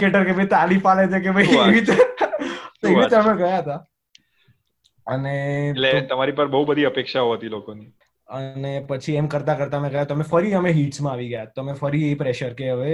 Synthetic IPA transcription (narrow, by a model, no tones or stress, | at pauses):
keʈəɾkebʱeit̪aːlipaled͡ʒ̪ek̬ebʱəieʋit̪e | t̪oeʋit̪əɾmeɡəjaɦət̪a | ənelet̪ɐmaɾipəɾbəɦubəd̪ʱiəpeːkʃaɦoɦət̪ilokoni | ənepət͡ʃʰiemkəɾt̪akəɾt̪amẽɡəjat̪omẽfəɾiəmẽɦiːʈsmãaʋiɡəjat̪omẽfəɾiepɾeʃəɾkeɦəʋe